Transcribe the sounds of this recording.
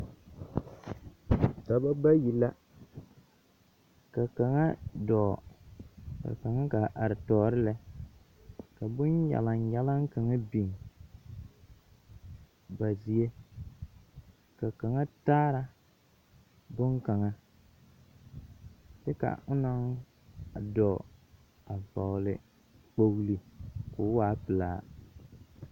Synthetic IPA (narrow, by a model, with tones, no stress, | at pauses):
ka˨ba˦ɡ͡ba˦ji˨la˦ | ka˨ka˨ŋa˦dɔː˨ | ka̰˨ka˨ŋa˦ka˨ʔa˨ɾɪ˨tɔː˨ɾɪ˦lɛ˨ | ka˨bʊ˦njɛ̰˨la˨n˨jɛ˦la˦ŋ˦ka˨ŋa˦bi˨ŋ˨ | ba˨zi˨e˦ | ka˨ka˨ŋa˦taː˦ɾa˦ | bʊ˦ŋka˨ŋa˦ | t͡ʃɛ˦ka̰˨ʊ˦na˦ŋ˨ | dɔ˨ | a˨va˨ɣlɪ˦ | k͡po˦ɣli˦kʊ˨˦waː˦pɨ˨laː˦